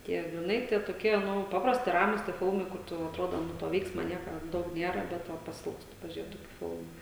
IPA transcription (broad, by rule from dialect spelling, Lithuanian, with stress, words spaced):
ˈtʲiɛ ɡrʲɪˈnɐɪ tʲiɛ toːˈkʲiɛ ˈnʊ ˈpɑːprɐsʲtʲɪ ˈrɑːmʊs tʲiɛ ˈfʲɪlˠmɐɪ ˈkʊr tʊ ɐtˈroːdoː ˈnʊ toː ˈʋʲɛɪksmɐ ˈnʲiɛkɐ ˈdɐʊk ˈnʲiɛrɐ ˈbʲɛt ʋɐ pɐˈsʲɪlˠkstʊ pɐʒʲʊˈrʲeːt ˈtoːkʲʊ ˈfʲɪlˠmʊ